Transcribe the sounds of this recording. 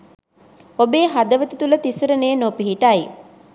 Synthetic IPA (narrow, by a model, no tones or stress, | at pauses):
obeːɦad̪əʋət̪it̪ulət̪isəɾəneːnopiɦiʈaj